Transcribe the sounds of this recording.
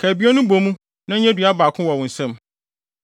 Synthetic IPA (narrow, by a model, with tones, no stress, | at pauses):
kʰæ˨bi˦ɔ˦nʊ̃˦bo˨mũ˦ | nã˦ɲ˦ɲɛ˦dɥa˦baː˨kʰʊ̃˦wɔ˨wʊ̃˨n̩˨sɛ̃˦m